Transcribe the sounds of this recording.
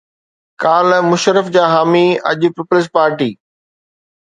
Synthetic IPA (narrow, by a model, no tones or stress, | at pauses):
kaːlmʊʃɾəfd͡ʑaːɦaːmiɐ̰ʄʊpɪːpʊlɪs̬ʈ̚paːɾʈiː